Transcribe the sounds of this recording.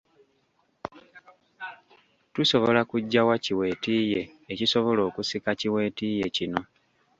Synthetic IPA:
tuso̞βo̞lakuɟːawaciwe̞ːtiːje̞ːciso̞βo̞lo̞ːkusikaciwe̞ːtiːje̞cino̞

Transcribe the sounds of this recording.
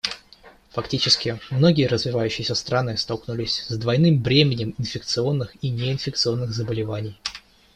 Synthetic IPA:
fɐktʲit͡ɕɪskʲɪmno̞ɡʲɪjəɾəzvʲɪvajʉɕːɪjɪsʲəst̪ɾanɨst̪alˠknʊlʲɪsʲzd̪vɐjnɨmbɾʲemʲɪnʲɪmɪnfʲɪk̚t̪sɨo̞nːɨxinʲeɪnfʲɪkt̪sɨo̞nːɨɣzəbəlʲɪvanʲɪj

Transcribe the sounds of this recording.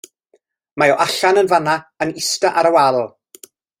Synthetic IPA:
majɔʔaɬanənvanaənɪstaʔaɾəwalˠɔ

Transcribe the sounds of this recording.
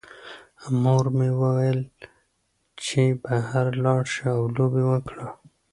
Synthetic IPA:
moɾmewəwajl | t͡ʃebahaɾlɑɽʃiawlobewəkɽa

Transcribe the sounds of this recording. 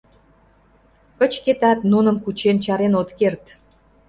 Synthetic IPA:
kət͡ɕket̪ɑt̪nunəmkut͡ɕent͡ɕɑɾenot̪kert̪

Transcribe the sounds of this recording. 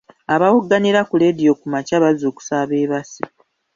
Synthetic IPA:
aβawuɡːaniɾakule̞dijo̞kumacaβazoːku̥saːβeːβasi

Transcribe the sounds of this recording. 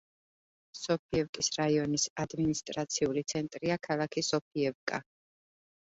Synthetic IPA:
sɔpʰiɛvkʼisɾaiɔnisad̪minist̪ʼɾat̪sʰiulit̪sʰɛnt̪ʼɾiakʰalˠakʰisɔp̚ʰiɛvkʼa̰

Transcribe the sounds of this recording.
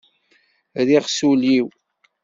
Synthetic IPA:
ðiʁsuliw

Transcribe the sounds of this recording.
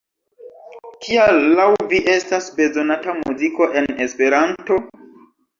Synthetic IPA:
kʰialːawviʔe̞stasbe̞zo̞natamuziko̞ʔe̞nespe̞ɾanto̞

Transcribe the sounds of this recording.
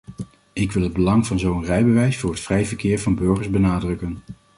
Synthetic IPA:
ɪkʋɪlˠɦəd̚bəlɑŋvɑnzowənrɛjbəʋɛjsfʊːɹɦətfrɛjvəɹkɪːɹvɑnbɵɹχəɹzbənaːdrɵkən

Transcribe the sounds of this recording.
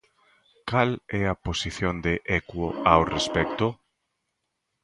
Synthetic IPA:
kalɛɐposiθjond̪eʔɛkwoawrespɛk̚t̪ʊ

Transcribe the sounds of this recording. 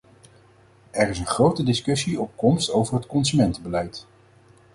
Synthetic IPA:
ɛɹɪsənχrowtədɪskɵsiɔp̚kɔmstowvəɹɦətkɔnzymɛntəbəlɛjt

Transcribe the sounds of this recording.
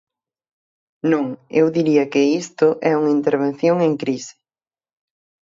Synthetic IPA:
nõŋewðiɾiɐkɪist̪ʊʔɛuŋɐint̪eɾβ̞ẽn̟θjoŋeŋkɾisɪ̥

